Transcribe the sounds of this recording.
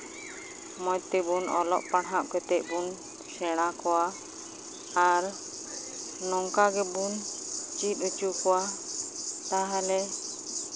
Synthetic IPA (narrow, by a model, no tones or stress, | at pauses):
mɔjt̪ibunɔlɔ̰ʔpaɽɦaʔkɛt̪ɛʔ̚bun | sɛɽ̃akɔwa | ɾ | nɔŋkaɡɛbunt͡ʃit̪ut͡ʃukɔwa | t̪aɦalɛ